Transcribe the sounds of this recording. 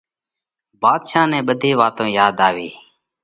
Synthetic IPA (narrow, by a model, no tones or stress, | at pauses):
baːd̪ʃaːnɛ̃ːɓəd̪ʱiːʋaːt̪õːjaːd̪aːʋiː